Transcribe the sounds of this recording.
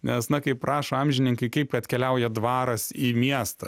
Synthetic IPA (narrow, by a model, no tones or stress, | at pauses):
nʲɛsnɐkɐɪppɾʔɑːʃoɐmʲʒʲɪnʲɪŋkɐɪkɐɪpkɐt̪ʲkʲɛlʲɛʊjɛd̪ʋɑːɾɐsiːmʲiɛst̪ɐ